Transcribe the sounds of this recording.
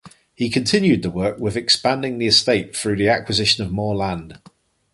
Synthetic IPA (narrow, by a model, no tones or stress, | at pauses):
hikʰə̃ntʰɪ̃njʉd̪̚təwɜˑkwɪðɛkspãndɪ̃ŋðiɪsteɪtθɹʉːðiakwɪzɪʃə̃nəvmɔːlãnd̥